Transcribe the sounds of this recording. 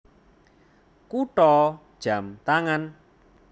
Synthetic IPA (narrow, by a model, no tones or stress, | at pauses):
kuʈɔd̥ʒ̥a̤mt̪aŋan